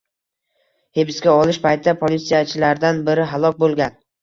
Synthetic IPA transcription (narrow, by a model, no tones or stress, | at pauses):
hebɪskʲaɒlˠɪʃpʰajt̪ʰɪd̪apʰolit̪sijat͡ʃʰɪlaɾd̪anbɪɾɪɦalˠɒkʲbolˠɡʲan